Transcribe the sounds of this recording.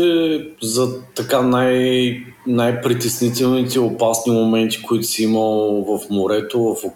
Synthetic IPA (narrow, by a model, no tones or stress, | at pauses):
ɛzɐt̪ɐkanaj | najpɾit̪ɛsnit̪ɛlˠnit̪ɛopasnimomɛnt̪i̥koit̪ʊ̥sɛiməlˠvɐfmoɾɛt̪ovɐfo